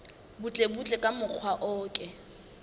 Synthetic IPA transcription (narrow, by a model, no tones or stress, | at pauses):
but͡ɬʼebut͡ɬʼɛkʼamʊk͡xʰwaʔɔːkʼɛ